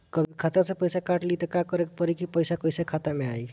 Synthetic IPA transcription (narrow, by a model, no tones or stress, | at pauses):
kəbʱikʰat̪aɾsə̃pəjsakaɾʈlit̪ekakəɾekpəɾikipəjsakəjsakʰat̪ameaj